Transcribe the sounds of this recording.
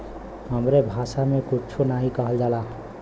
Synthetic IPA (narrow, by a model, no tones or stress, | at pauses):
ɦəmɾebʱasamekut͡ʃʰunaɦĩkəɦəld͡ʒala